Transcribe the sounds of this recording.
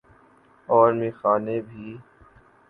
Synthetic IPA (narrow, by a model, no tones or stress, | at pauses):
ɔːɾmĩːxaːneːbʱiː